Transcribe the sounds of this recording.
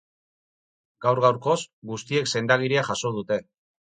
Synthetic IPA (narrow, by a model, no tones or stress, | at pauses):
ɡ̥awɾɣawɾko̞sɡust̪ie̞kse̞nd̪aɣ̞iɾiaxaso̞ð̞ut̪e̞